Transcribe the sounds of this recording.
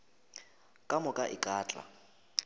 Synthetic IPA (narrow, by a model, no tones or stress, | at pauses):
kʼamʊkʼaʔɪkʼaːt͡ɬʼa̰